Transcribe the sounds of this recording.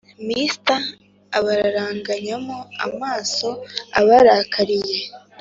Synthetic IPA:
mistaː | βaɾaɾaːŋɡaɲamoa̰maːso̞a̰βaɾaːkʰaɾije̞

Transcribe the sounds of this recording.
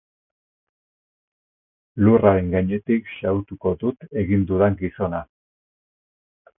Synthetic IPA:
luraɾe̞ŋɡaɲe̞t̪ikʃawt̪uko̞ðut̪e̞ɣind̪uðaŋɡiso̞na

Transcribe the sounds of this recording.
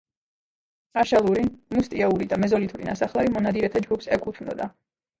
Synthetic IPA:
aʃalˠuɾimust̪ʼiauɾid̪amɛzɔlit̪ʰuɾḭnasaχlaɾimɔnad̪iɾɛt̪ʰad͡ʒɡupsɛkʼut̪ʰunɔ̰d̪a

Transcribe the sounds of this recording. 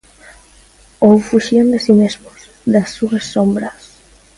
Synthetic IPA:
owfuʃiand̪esimezmos | ðasːuasːombɾɐs

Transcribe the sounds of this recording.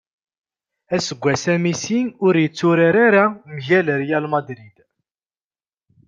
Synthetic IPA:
æsəɡʷːæsæmisinʊɾjət͡sːʊɾaɾaɾamʝæləɾjælmɑd̪ɾid̪

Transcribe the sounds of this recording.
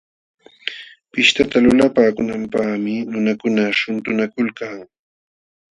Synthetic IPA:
pɪʃt̪at̪alʊlapaːkʊnampaχmɪnʊnakʊnaʃʊnt̪ʊnakʊlkaŋ

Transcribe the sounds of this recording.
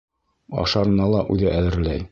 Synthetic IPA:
ɒ̰ʃɑɾɤ̆nɑlˠɑʔʉðɘʔæðɘ̆ɾlæj

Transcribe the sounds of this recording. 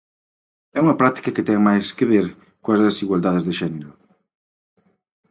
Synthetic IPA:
ɛuŋɐpɾat̪i̥kɐkɪt̪ɛŋmajskeβeɾ | koɐzðesiɣwald̪aðɪzðeʃɛneɾʊ

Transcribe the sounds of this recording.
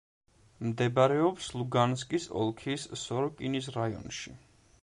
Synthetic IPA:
md̪ɛbaɾɛɔpslˠuɡans̬kʼisɔ̰lˠkʰisːɔɾɔkʼinisɾaiɔ̰nʃi

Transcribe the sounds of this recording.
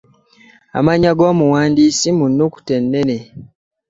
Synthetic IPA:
a̰maɲaɡoːmuwaːndiːsimunːoku̥tenːene

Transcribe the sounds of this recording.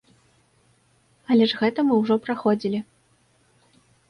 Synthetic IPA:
ɐlʲɛʐɣɛt̪ɐmɨwʐɔpɾaxɔd͡zʲilʲi

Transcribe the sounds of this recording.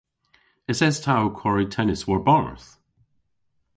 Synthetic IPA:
ɪtsɛz̥tʰawkʰɔɹitʰɛnɪswəɹbɔnə̰ɹθ

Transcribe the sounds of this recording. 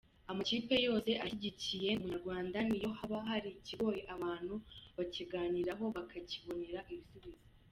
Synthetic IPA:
amaciːpe̞jo̞ːse̞ʔaçiɟicije̞muɲaɾɡwaːndanijo̞haβaɦaɾiciɡo̞ːjeʔaβaːn̥huβaciɡaːniɾaɦo̞βakʰaciβo̞neɾaʔiβisuβizi

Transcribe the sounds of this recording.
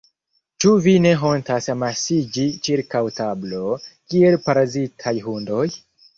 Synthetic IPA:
t͡ʃuvine̞ɦo̞ntasamasid͡ʒit͡ʃiɾkawtablo̞kie̞lpaɾazitʰajɦundo̞j

